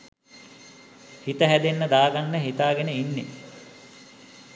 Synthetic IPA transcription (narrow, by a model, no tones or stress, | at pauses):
hit̪əɦæd̪enːəd̪aːɡanːəɦit̪aːɡenəinːḛ